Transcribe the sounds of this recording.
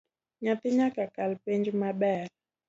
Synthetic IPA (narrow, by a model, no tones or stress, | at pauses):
ɲat̪iɲakakalpɛnd͡ʒumaɓal